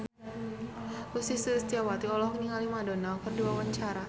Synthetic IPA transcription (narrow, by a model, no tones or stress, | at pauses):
usisəst̪iawat̪iɔlɔhkɲiŋalimadonalkərduawaɲt͡ʃaɾa